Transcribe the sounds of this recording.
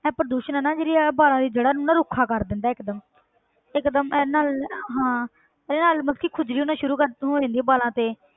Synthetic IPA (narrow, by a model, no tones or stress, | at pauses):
ɛ̃ːpəɾd̪uːʃənɛːnãːd͡ʒeːɽiːɛbaːlãːd̪iːd͡ʒəɽaːnʊnãːɾʊkʰaːkəɾd̪ɪ̃nd̪aːɪkd̪əm | ɪkd̪əmɛnaːlɦãː | ɛːɾeːnaːlmət̪kʰiːkʰʊd͡ʒɾiːʊnãːʃʊɾuːkəɾẽːnd̪iɛːbaːlãːt̪eː